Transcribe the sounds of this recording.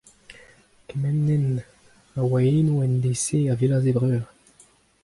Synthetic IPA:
kemɛnːɛn | awaeːnuɛnd̪eseavelazebʁøːʁ

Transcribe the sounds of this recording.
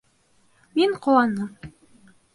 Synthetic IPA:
miɴqŏwɑnɤm

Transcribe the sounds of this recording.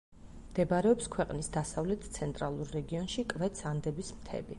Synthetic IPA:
md̪̥ɛbaɾɛɔpskʰwɛqʼnisd̪asavlɛt̪ʰt̪sʰɛnt̪ʼɾalˠuɾːɛɡiɔnʃikʼvɛt̪sʰand̪ɛbismt̪ʰɛ̰bi

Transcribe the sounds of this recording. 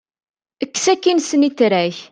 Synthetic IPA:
əkːsækːinsənit̪ːɾæç

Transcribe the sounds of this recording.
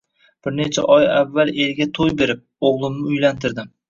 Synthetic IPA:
b̥ɪɾne̞t͡ʃʰaʔɒjavːale̞lɡʲat̪ʰojbe̞ɾɪp̚oʁlˠɪmnɪʊjlant̪ʰɪɾd̪ɪm

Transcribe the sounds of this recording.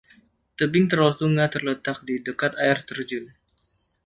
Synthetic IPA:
t̪əbɪŋt̪ərɔlt̪uŋat̪ərlət̪ak̚didəkat̪aɪrt̪ərd͡ʒʊn

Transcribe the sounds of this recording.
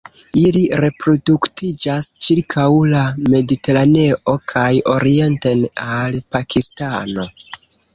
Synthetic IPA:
iliɾe̞pɾo̞duktid͡ʒast͡ʃiɾkʰawlame̞dite̞ɾane̞ʔo̞kʰajo̞ɾie̞ntenalpakistano̞

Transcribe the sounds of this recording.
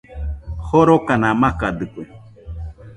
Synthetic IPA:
hoɾokanãmakad̪ɨkʷe

